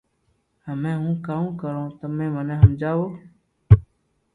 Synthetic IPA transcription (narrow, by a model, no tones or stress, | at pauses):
həmẽːɦũːkaːũːkəɾõːt̪əmẽːmənẽːɦəmd͡ʒaːʋoː